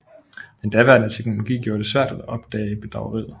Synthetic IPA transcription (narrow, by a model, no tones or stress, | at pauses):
mend̥æʋæɐnæt͡sʰeɡ̥no̝lo̝ɡ̥ḭːɡ̥jo̝ːɐd̥e̝sʋæɐ̰d̥æ̥ɒ̽b̥d̥ɛ̰ːɪəb̥e̝d̥ʁɑ̈ʊəʁið̰ˠ